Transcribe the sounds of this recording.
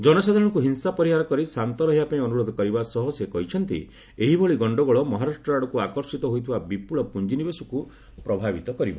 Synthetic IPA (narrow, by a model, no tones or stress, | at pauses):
d͡ʒɔnɔsad̪ʱaɾɔ̃ɽ̃ŋkuɦinsapɔɾiɦaɾɔkɔɾisant̪ɔɾɔɦibapaĩɔnuɾɔd̪ʱɔkɔɾibasɔɦɔsekɔɦit͡ʃʰɔnt̪ḭ | eɦibʱɔɭiɡɔɳɖɔɡɔɭɔmɔɦaɾaʃʈɾɔaɽɔkuakɔɾsit̪ɔɦojt̪ʰibabipuɭɔpund͡ʒinibesuku | pɾɔbʱabit̪ɔkɔɾiba̰